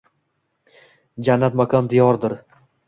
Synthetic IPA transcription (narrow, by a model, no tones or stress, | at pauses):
d͡ʒanːat̪makʰɒnd̪ijɒɾd̪ɪɾ